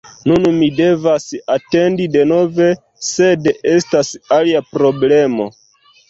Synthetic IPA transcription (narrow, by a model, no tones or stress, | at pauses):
nunmide̞vasate̞ndide̞no̞ve̞ | se̞de̞stasaliapɾo̞ble̞mo̞̰